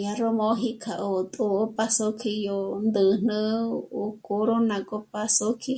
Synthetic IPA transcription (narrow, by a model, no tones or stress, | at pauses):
jaɾomoɦikʰaʔot̪ʼoopʼasokʰijond̪ɨn̥ɨokʼoɾonakʼopasokʰi